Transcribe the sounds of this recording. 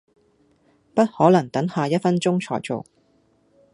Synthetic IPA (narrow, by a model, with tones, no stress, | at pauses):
pɐ˥t̚hɔː˨˥lɐ˨˩ŋt̪ɐ˨˥ŋhaː˨jɐ˥t̚fɐ˥nt͡ʃʊ˥ŋt͡ʃʰɔ̰ː˨˩jt͡so̰˨w